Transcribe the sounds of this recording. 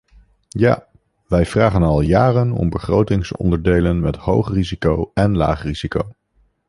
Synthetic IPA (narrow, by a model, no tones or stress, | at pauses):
ja̰ː | ʋɛjv̥raːχənɑlˠjaːrənɔ̰mbəχrowtɪŋsɔ̰ndəɹdejlənmɛthowχrizikowɛnla̰ːχriz̥ikow